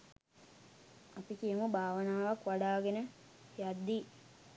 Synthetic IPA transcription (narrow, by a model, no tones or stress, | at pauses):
apikijəməbʱaːʋənaːʋakʋaɽaːɡenə | jad̪ːi